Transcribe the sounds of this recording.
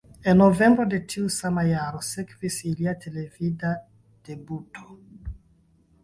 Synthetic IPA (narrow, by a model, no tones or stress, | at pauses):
enovɛmbɾod̪etiusamajaɾosɛkvisiliat̪ʰelevida | d̪̥ebuto̥